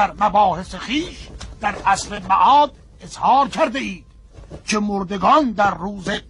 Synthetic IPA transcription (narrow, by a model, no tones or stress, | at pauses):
æɾmæbɒːhe̞sexiːʃd̪̥æɾʔæsɾemæ̰ʔɒːd̪ | ezhɑːɾkʰæɾd̪eiːd̪̥ | kʰemoɾd̪e̞ɡɒːnd̪æɾːuːze